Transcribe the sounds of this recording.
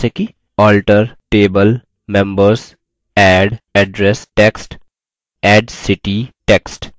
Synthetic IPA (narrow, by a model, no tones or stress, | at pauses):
eki | ɔːlʈəɾʈeːbəl | mɛ̃mbəɾs | ɛɖɛɖɾesʈeksʈ | ɛːɖsɪʈiʈeksʈ